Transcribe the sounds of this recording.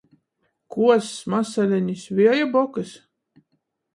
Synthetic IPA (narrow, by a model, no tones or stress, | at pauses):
kuɔsmasalʲɛɲʲisʲvʲiɛjabɔkɨs